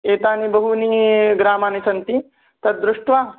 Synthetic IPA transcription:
eːt̪aːnibɐɦuniɡɾaːmaːnisɐnt̪i | t̪ɐt̪̚d̪ɾʊʂʈʋaː

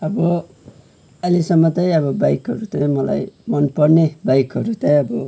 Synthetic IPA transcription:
ʌbʌ | ʌlisʌmːʌt͡sʌj̃ʌβʌbajkɦʌɾut͡sʌj̃mʌla̰jmʌnpʌɽnebajkɦʌɾut͡sãj̃ʌbʌ

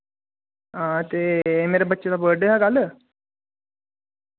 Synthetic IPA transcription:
at̪emeɾebətːɕetabəɾɖəɦaɡaləː

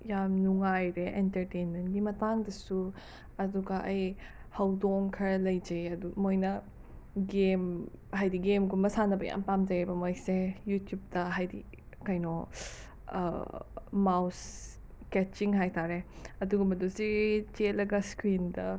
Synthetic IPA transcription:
jamnuŋajɾeʔentɐɾtenmentɡimɐtaŋdɐsu | ɐduɡɐʔɐj | hɐwdoŋkʰɐɾɐlɐjd͡ʒɐjɐdumojnɐ | ɡem | ɦajdiɡemɡumbɐsanɐbɐja̰mpamd͡ʒɐjɐbɐmojsejutjup̚dɐɦajdḭ | kajnɔ̰ | maws | kɛt͡ʃiŋɦajtaɾe | ɐduɡumɐdusit͡ʃelɐɡɐskɾindɐ

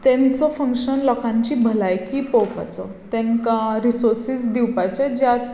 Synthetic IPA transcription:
t̪ɛ̃nt͡sɔfə̃ŋkʂənlɔkʰãɲt͡ɕiːbʱəlajkiːpɔwpa̰t͡sɔ̰ | t̪ɛ̃ŋkaɾisoɾsisd̪iwpajt͡ɕad͡ʑjat̪

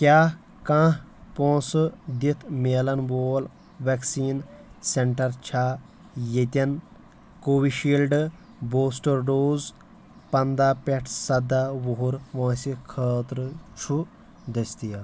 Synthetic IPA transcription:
kʲjaː | kãːɦ | põːsɨd̪it̪ʰmeːlɐnboːl | ʋeksiːnseɳʈɐɾt͡ʃʰaː | jet̪ʲɐn | koːʋiʃiːlɖ | boːsʈɐɾɖoːz | pɐnd̪aːpʲeʈʰsɐd̪aːʋoɦuɾʋõːsikʰəːt̪ɾɨt͡ʃʰu | d̪ɐst̪ijɐl

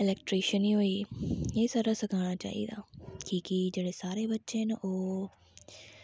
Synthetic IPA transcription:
ɪlɛːkʈɾiːʃəniɦoːieːsaɾasɐkʰaːɽ̃at͡ʃa̰ːɦḭd̪a̰ːkĩːkid͡ʒeːɽesaːɾebɐtːʃeɦɪnʔoː

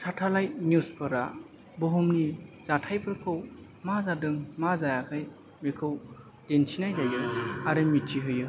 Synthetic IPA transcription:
tʰatʰalajmjuspʰɯɾa | boɦumniz̥atʰajpʰɯɾkʰɯw | mazadɯŋmazajakʰaj | mikʰɯw | d̥ensʰinajzajɯaɾɯmit͡ʃiɦɯjɯ

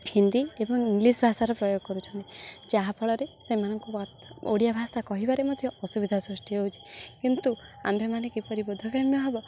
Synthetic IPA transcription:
hind̪iebɔŋiŋɡlisbʱasaɾɔpɾɔjoɡʱɔkɔɾut͡ʃʰɔnt̪id͡ʒaɦapʰɔɭɔɾesemanɔŋkut̪oɽijabʱasakɔɦibaɾemɔd̪ʱjɔːsubid̪ʱasɾusʈiɦout͡ʃʰi̥kint̪ua̰mbʱemanekipɔɾibod̪ʱɔkɾamjɔɦebɔ

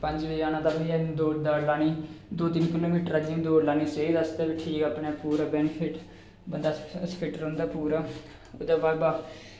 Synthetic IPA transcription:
pəɲd͡ʒʋəːaːnaːt̪abd̪iːad̪oːd̪aːlaːniːd̪oːt̪ɪnkɪloːmiːʈəɾad͡ʒɪŋd̪oːɾlaːniːseid̪əst̪eːbiʈʰiːkapnaːpuːɾaːbɛːnɪpʰɪʈ | bənd̪aːsəkəʈəɾɦʊ̃nd̪aːpuːɾaː | ʊd̪aːbaːɾbaː

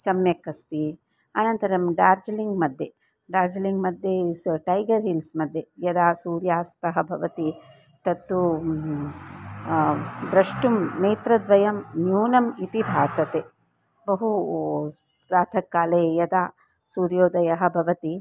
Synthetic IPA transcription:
sɐmjɐkːɐst̪i | ɐnɐnt̪ɐɾɐmɖaːɾd͡ʒɐliŋɡmɐd̪ʱje | ɖaːɾd͡ʒɐliŋɡmɐd̪ʱjesʈɐjɡɐɾɦilsmɐd̪ʱjejɐd̪aːsuːɾjaːst̪ɐɦɐ̆bʱɐʋɐt̪i | t̪ɐt̪ːu | d̪ɾɐʂʈumneːt̪ɾɐd̪ʋɐjɐmnjuːnɐmit̪ibʱaːsɐt̪eː | bɐɦu | ɾaːt̪ʰɐkːaːlejɐd̪aː | suːɾjoːd̪ɐjɐɦɐ̆bʱɐʋɐt̪i

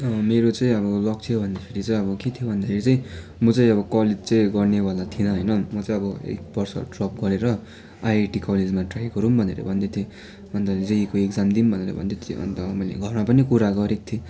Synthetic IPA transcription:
meɾot͡sʌĩʌbʌlʌk̚t̪ʰijobʱʌnd̪akʰeɾit͡saĩʌbʌket̪ʰijobʱʌnd̪akʰeɾit͡saĩ | mʌt͡saĩʌbʌkʌled͡zt͡sʌĩɡʌrnebalat̪ʰinʌɦʌjnʌmʌt͡sãĩʌbʌḛk̚bʌrsʌ̰ɖrʌp̚ɡʌɾeɾʌ | ajaʈikʌled͡zmaʈrajɡʌɾumbʱʌnḛɾʌ̰bʱʌnd̪et̪ʰjo | ʌnt̪ʌd͡zeikoekd͡zamd̪imbʱʌneɾʌ̰bʱʌ̰nd̪et̪ʰjo̰ʌ̰nt̪ʌmʌjlḛɡʱʌrmapʌnikuɾaɡʌɾek̚t̪ʰje

